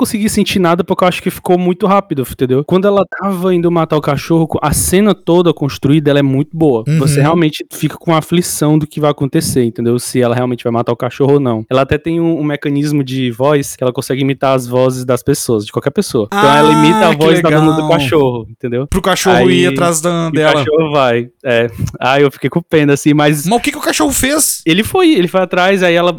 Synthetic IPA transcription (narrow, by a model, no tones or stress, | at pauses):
kõsɪɡisẽnt͡ʃinad̪ɐpoɾkewaʃʊ̥kɪfi̥komũj̃t̪ʊɦapid̪ʊt̪ẽnd̪ewkwɐ̃d̪ʊɛlɐt̪avɐaĩd̪ʊmat̪aɾʊkaʃohʊkõʔɐsẽnɐt̪od̪ɐkõst̪ɾuid̪ɐɛlɐɛmũj̃t̪ʊboɐvoseɦɛawmẽt͡ʃɪ̥fikɐ̥kõaflisɐ̃w̃d̪ʊkɪvajakõt̪eseɾĩt̪ẽnd̪ewsɪɛlɐɦeawmẽnt͡ʃɪvajmat̪aʊkaʃohʊonɐ̃w̃ɛlɐat̪ɛt̪ẽj̃ũːmekɐ̃nizmʊd͡ʒɪvɔjskɪɛlɐkõsɛɡɪimit̪aɾɐzvɔzɪzd̪ɐspesoɐzd͡ʒɪkwawkɛɾpesoɐẽtɐ̃w̃ɛlɐimit̪ɐavɔzd̪ad̪õnɐd̪ʊkaʃohʊẽt̪ẽnd̪ewpɾʊkaʃoʊiat̪ɾazd̪ɐd̪ɛɛkalʃɐohʊvajɛaewfi̥kejkũpẽd̪ʊasĩmɐzmɐʊkɛkɪʊkaʃohʊfeselɪfojelɪfojat̪ɾaziaiɛlɐ